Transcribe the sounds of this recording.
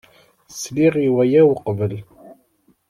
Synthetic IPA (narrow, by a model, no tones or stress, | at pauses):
sliʁiwæjæwqvəl